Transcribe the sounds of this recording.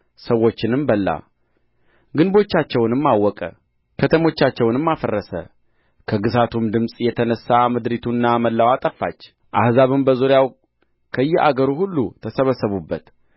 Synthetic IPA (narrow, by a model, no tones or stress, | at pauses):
səwːo̞t͡ʃːɪnɨmbəlːa̰ | ɡɨnbo̞t͡ʃːat͡ʃːɛwnɨmːawːɔkʼə̰ | kʰət̪ʰəmo̞t͡ʃːat͡ʃːɛwnɨmːafərːəsə̰ | kʰəɡɨzat̪ʰumd̪ɨmsʼjɛt̪ʰənəsːamɨd̪ɾit̪ʰunːaməlːawat̪ʼəfːat͡ʃː | ʔa̰hzaβɨmbəzuɾjaw | kʰəjːɛʔa̰ɡəɾuhulːut̪ʰəsəβəsːəβubːət̪